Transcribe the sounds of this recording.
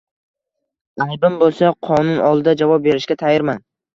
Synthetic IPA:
ajbɪmbolˠsaqʰɒnʊnɒlˠd̪ad͡ʒavɒp̚be̞ɾɪʃkʲat̪ʰajɪɾman

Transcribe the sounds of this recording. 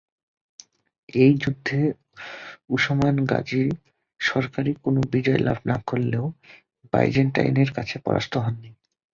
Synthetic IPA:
ejd͡ʑud̪ʱːe | uʃomanɡa̰d͡ʑiɾ | ʃɔɾkaɾikonobid͡ʑɔḛlʔa̰bʱnakolːeo | ba̰jd͡ʑenʈa̰jneɾkat͡ɕʰepɔ̰ɾʔa̰st̪ʰoɦɔnːi

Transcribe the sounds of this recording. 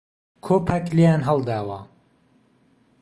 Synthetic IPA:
kʰoːpʰɐklejaːnɦɐlˠd̪aːwɐ

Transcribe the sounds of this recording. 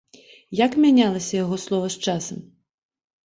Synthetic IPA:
jakmʲanʲalˠɐsʲɐjaɣɔslˠɔvɐst͡ʂasɐm

